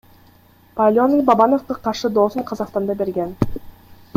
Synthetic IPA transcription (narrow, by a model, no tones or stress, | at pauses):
palʲonijbɑbɑno̞fqɑqʰɑɾʃɯd̪oːsuɴqʰɑzɑqst̪ɑnd̪ɑbe̞ɾɡen